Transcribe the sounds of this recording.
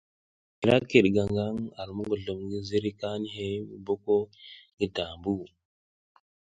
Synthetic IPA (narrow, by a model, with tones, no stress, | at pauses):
i˨ɾa˦kːe˨ɗɡa˨ŋɡa˦ŋa˨ɾmu˦ɡo˨ɮo˨mɡi˦zi˦ɾi˦ka˦ni˦he˦˨bo˦ko˦ɡi˨ta˨mbu˦